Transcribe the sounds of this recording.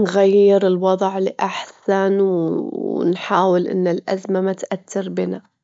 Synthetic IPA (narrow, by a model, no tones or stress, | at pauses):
nɣajːɪɾɪlwɑðˤʕlɪʔaħsanw | nħaːwɪlʔɪ̰nːɪlʔazmamat̪ʔat̪ːɪɾbɪna